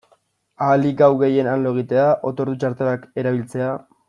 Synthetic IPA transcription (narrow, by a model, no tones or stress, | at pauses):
aːliɡawɣe̞je̞nanlo̞eɣ̞it̪e̞aʔo̞t̪o̞ɾðut͡ʃaɾt̪eɾake̞ɾaβ̞ilt͡se̞a